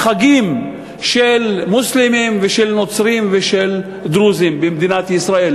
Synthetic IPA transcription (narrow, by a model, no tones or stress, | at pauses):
χaɡim | ʃelmuslimimveʃelnot͡sʁimveʃel | d̪ɾuzimbemd̪inat̪jisʁael